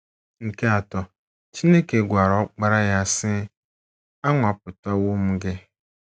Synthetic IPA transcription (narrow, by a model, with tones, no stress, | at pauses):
ŋ̩˨kʰe˦a˨tɔ˨ | t͡ʃʰɪ˦ne˦ke˨ɡʷa˨ɾɔ˦k͡pa˦ɾa˦ja˨sɪ˦ | a˦ŋʊ˨a˨pʊ˨ta˦wʊ˦mʊ̃˨˦ɡɛ˦